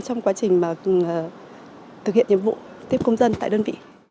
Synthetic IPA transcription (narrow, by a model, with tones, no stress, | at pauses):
t͡ɕɔ˧wŋ͡mkwaː˨˦t͡ɕï˨˩ŋ̟maː˨˩˨ | t̪ʰɨ˨˩hi˧˨nɲɨ̰˧˦mvṵ˧˨ | t̪i˦˥əp̚kə˧wŋ͡mzə˧nt̪a̰ː˧˨ɗəː˧nvḭ˧˨